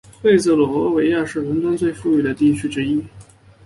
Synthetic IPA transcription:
xwe˥˧ɪt͡s̩˥˩lwɔ˨˩wɔ˧˥we˧˥ɪja˥˧ʂɻ̩˥˩ɻə˧˥nt̪wa˥nt͡swe˥˧ɪfu˥˧y˥˩d̪ə˩t̪i˥˩t͡ɕʰy˥ʈ͡ʂɻ̩˥i˥

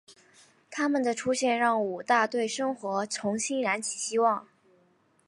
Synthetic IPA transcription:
t̪ʰa˥mə˨nd̪ə˩ʈ͡ʂʰu˥ɕjɛ˥˧nɻɑ˥˩ŋu˨˩t̪a˥˧t̪we˥˩ɪʂɤ˥ŋxwɔ˧˥t͡sʰʊ˧˥ŋɕi˥ŋɻa˧˥nt͡ɕʰi˨˩ɕi˥wɑ˥˩ŋ

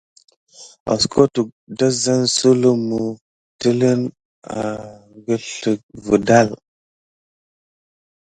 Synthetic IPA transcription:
a̰˨skʰo˦tu˨ | da˦za˦nsu˦lu˦mu˨ | tə˦lə˦n | a˨ŋɡə˦ɬə˨k̚və˨da˦˨l

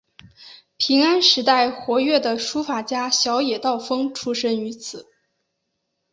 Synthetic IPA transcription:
pʰi˧˥ŋa˥nʂɻ̩˧˥t̪a˥˩ɪxwɔ˧˥ɥɛ˥˩d̪ə˩ʂu˥fa˨˩t͡ɕja˥ɕjɑ˧˥ʊjɛ˨˩t̪ɑ˥˩ʊfɤ˥ŋʈ͡ʂʰu˥ʂə˥ŋy˧˥t͡sʰɹ̩˨˩˦

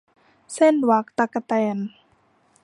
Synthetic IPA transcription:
se˥˩˨nwa˧˦k̚t̪a˧˦kːa˧t̪ɛː˧˩n

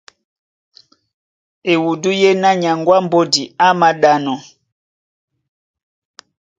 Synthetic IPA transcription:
e˨wu˨du˦je˦na˦ɲa˨ŋɡwa˦mbo˦di˨a˦ma˦ɗa˦nɔ˨

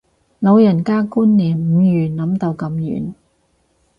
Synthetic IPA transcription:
lo˨˧wjɐ˨˩nkaː˥kuː˥nliː˨˩nm̩˨˧jyː˨˩nlɐ˨˥mt̪o˧wkɐ˧mjy̰ː˨˩n

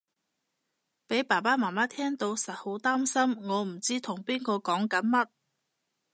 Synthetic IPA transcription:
pe˨˥jpaː˨˩paː˥maː˨˩maː˥t̪ʰɛː˥ŋt̪o˧wsɐ˨t̚ho˨˥wt̪aː˥msɐ˥mŋɔː˨˧m̩˨˩t͡siː˥t̪ʰʊ˨˩ŋpiː˥nkɔː˧kɔː˨˥ŋkɐ˨˥nmɐ˥t̚

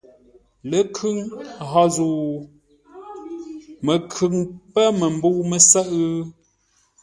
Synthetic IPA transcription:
lə˦kʰʉ˦ŋɦɔ˦zu˨ | mə˨kʰʉ˨ŋpə˦mə˨m̩˦bu˦wmə˨sə˦ʔ

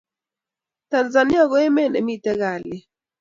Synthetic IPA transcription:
ta˨nza˨ni˦a˦˨ɣɔ˦ɛ˦mɛ˦˨nɛ˨mi˦˨tɛ˦ɣa˨lɪ˨

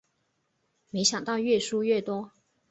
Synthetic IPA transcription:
me˧˥ɪɕjɑ˨˩ŋt̪ɑ˥˧ʊɥɛ˥˩ʂu˥ɥɛ˥˩t̪wɔ˥

